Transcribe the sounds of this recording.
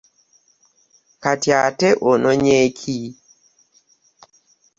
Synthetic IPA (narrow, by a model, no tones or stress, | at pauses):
katjatɛʔonɔɲekʰi